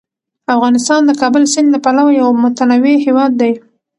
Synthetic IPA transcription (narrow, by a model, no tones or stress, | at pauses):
afɣɑnɪst̪ɑnd̪əkɑbəlsɪnd̪apalawajawmʊt̪anaweɦewɑd̪ːaj